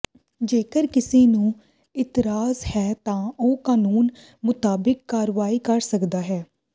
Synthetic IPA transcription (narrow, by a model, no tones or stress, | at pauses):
d͡ʒeːkəɾkɪsiːnũː | ɪt̪ɪɾaːzhɛːt̪ãːoːkaːnuːn | mʊt̪aːbɪkːaːɾʋaːiːkəɾsəkd̪aːɦɛː